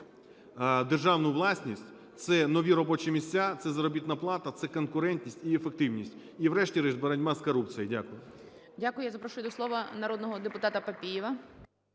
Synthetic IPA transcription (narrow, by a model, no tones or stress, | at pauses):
d̪erʒɑwnʊʋlˠɑsʲnʲisʲtʲ | t̪sɛnɔʋʲiɾɔbɔt͡ʃɛmʲisʲt͡sʲːat̪sɛzɐɾɔbʲit̪nɐplˠɑt̪ɐt̪sɛkɔnkʊɾɛnʲt̪ʲnʲisʲtʲiefekt̪ɪwnʲisʲtʲ | iʋɾɛʃtʲiɾɛʒbeɾɐnʲmaskɔɾup̚t͡sʲijidʲakʊjʊ | dʲakʊjʊjazɐpɾɔʃʊjʊd̪ɔslˠɔʋɐnɐɾɔd̪nɔɦɔd̪epʊt̪ɑt̪ɐpɐpʲijɪʋɐ